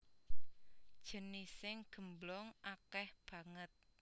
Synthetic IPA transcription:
d̥ʒ̥ə̤nisɪŋɡ̥ə̤mblɔŋʔakɛhb̥ä̤ŋət̪̚

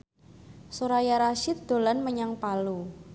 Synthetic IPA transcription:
soɾajaɾaʃɪt̪̚d̪̥o̤lanməɲaŋpalu

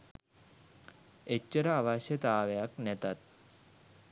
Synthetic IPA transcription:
et͡ɕːəɾaːʋaɕet̪aaʋjaknɛt̪at̪̚

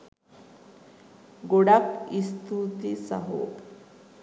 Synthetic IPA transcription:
ɡoɽakist̪ut̪isa̰ɦo̰ː

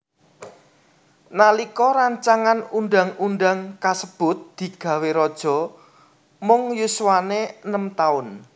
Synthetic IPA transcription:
nalikɔɾaɲt͡ʃaŋanunɖaŋunɖaŋkasəb̥ʊ̤t̪̚d̪̥i̤ɡ̥ä̤weɾɔd̥ʒ̥ɔ̤ | mʊŋjuswaneənəmt̪aʊn

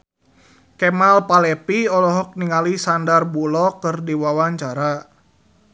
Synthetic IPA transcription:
kɛmalpalɛpiɔlɔɦɔk̚niŋalisandarbulɔkɨrdiwawaɲt͡ʃaɾa

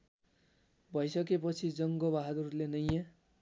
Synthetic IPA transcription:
bʱʌjsʌkepʌt͡sʰid͡zʌŋɡobaɦʌd̪urlenʌja

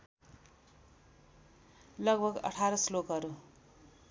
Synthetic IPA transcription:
lʌɡbʱʌɡʌ̰ʈʰaɾʌslokɦʌɾu

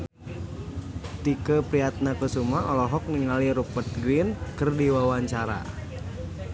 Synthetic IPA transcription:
t̪ikəpɾiat̪̚nakəsumaɔlɔɦɔk̚niŋaliɾupət̪̚ɡɾinkərdiwawaɲt͡ʃaɾa̰

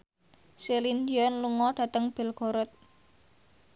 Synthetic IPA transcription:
selindiɔnluŋɔɖ̥ä̤t̪əŋb̥ɛ̤lɡ̥ɔ̤ɾɔt̪̚

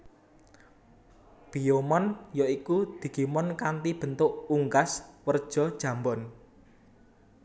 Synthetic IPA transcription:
b̥ijomɔnjɔikud̪̥i̤ɡ̥i̤mɔnkant̪ib̥ə̤nt̪ʊʔuŋkaswərd̥ʒ̥ɔ̤d̥ʒ̥ä̤mbɔn

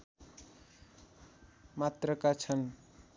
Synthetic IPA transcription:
mat̪rʌkat͡sʰʌn

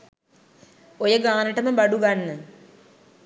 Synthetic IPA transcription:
ojəɡaːnəʈəməbaɖuɡanːə

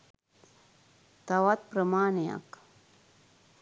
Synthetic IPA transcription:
t̪ɐwɐt̪̚pɾəmaːneja̰k

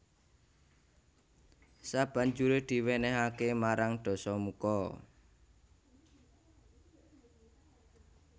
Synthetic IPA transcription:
sab̥a̤ɲd͡ʒuɾed̪̥i̤wenɛɦakemaɾaŋɖ̪̥ɔ̤sɔmukɔ

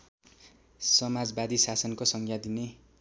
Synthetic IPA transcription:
sʌmad͡zbad̪isasʌnkosʌŋkjad̪ine

